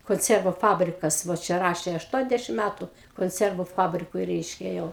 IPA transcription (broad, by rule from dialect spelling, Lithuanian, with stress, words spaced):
koːnʲˈt͡sʲiɛrʋʊ ˈfɑːbʲrʲɪkɐs ʋoː ˈt͡ʃʲɛ ˈrɑːʃʲeː ɐʃˈtuɔnʲɛzʲdʲɛʃʲɪm ˈmʲætʊ koːnʲˈt͡sʲɛrʋʊ ˈfɑːbʲrʲɪkʊɪ ˈrʲɛɪʃʲkʲɛ jɛʊ